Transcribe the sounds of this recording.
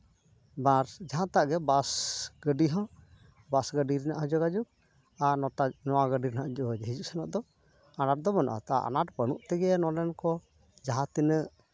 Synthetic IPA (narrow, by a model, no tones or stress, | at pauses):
baɾd͡ʒaɦãt̪aʔɡɛbasɡəɖiɦɔ̃ | basɡəɖiɾinaʔɦɔd͡ʒɔɡad͡ʒuk̚ | aɾnɔanɔwaɡəɖiɾinaʔd͡ʒɔd͡ʒɦid͡ʒuʔsanaʔd̪ɔ | anaʈ̚d̪ɔmana̰ʔa̰t̪a̰ʔa̰naʈ̚pənuʔt̪ɛɡɛnɔlɛnkɔ | d͡ʒaɦãt̪inəʔ